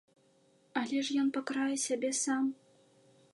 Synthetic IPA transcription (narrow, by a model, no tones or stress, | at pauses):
ɐlʲɛʂjɔnpakɾajɛsʲabʲɛsam